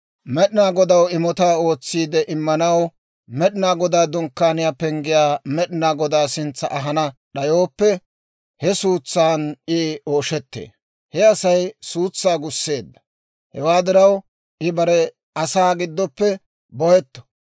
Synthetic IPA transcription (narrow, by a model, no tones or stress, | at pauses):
mɛɗɪnaːɡɔd̪ɐwɪmɔt̪aːo̞ːt͡sːiːd̪ɛʔɪmːɐnɐw | mɛɗɪnaːɡɔd̪aːd̪ʊŋkːaːnɪjaːpɛŋɡɪjaːmɛɗɪnaːɡɔd̪aːsɪnt͡sːɐ̰ʔɐɦɐnɐɗɐjo̞ːpːɛ | hɛsuːt͡sːaːnɪo̞ːʃɛt̪ːḛː | hɛɐsɐjsuːt͡sːaːɡʊsːe̞ːd̪ːɐ̥ | hɛwaːd̪ɪɾɐw | ʔɪbɐɾɛ | ɐsaːɡɪd̪ːɔpːɛ | bɔhɛt̪ːɔ̥